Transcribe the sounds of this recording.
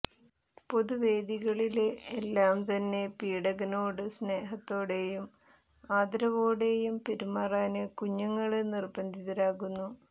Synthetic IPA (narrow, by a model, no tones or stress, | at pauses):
po̞ðuʋe̞ːd̪iɣɐɭilelːaːmt̪ɐnːe̞piːɽɐɣɐnoːɽɨsne̞ːɦɐt̪ːo̞ːɽe̞jum | aːd̪ɾɐʋo̞ːɽe̞jumpeɾumːaːraːnɨkuɲːɐŋːɐɭnirbɐnd̪ʱiðɐɾaːɣunːu